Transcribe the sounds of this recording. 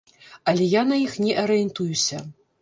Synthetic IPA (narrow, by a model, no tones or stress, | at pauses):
ɐlʲɛjanɐjixnʲɛʔɐɾɨjɛnt̪ujusʲɐ